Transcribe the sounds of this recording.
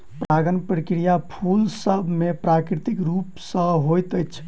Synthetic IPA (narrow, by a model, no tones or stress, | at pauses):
pɾʔaɡənpɾəkɾijapʰulsəbʱmepɾakɾit̪ikɾupsə̃ɦojt̪əjt͡ʃʰ